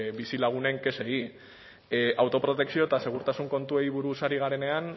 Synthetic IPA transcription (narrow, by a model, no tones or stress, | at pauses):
bisilaɣ̞une̞ŋke̞se̞i | ʔawt̪o̞pɾo̞t̪e̞ksio̞et̪ase̞ɣ̞uɾt̪asuŋko̞nt̪ue̞jβuɾusaɾiɣ̞aɾe̞ne̞an